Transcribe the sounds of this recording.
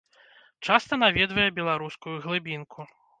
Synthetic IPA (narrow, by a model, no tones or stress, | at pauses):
t͡ʂast̪ɐnavʲɛd̪vɐjɛbʲɛlˠaɾuskujuɣlˠɨbʲinkʰu